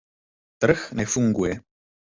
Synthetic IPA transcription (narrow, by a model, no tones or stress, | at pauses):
t̪ɾəxnɛfuŋɡujɛ